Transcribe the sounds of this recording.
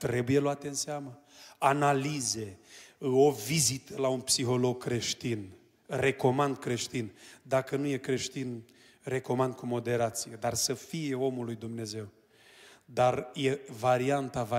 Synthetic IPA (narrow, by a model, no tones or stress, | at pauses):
t̪ɾe̞buje̞loat̪e̞ɨnseamə | analize̞ | o̞vizit̪əlaunpsiɦo̞lo̞ɡ̚kɾe̞ʃt̪in | re̞ko̞mand̪̚kɾe̞ʃt̪ind̪akənuje̞kɾe̞ʃt̪in | re̞ko̞mand̪̚kumo̞d̪e̞ɾat̪sijed̪arsəfije̞o̞mulujd̪umne̞ze̞w | d̪arje̞vaɾiant̪ava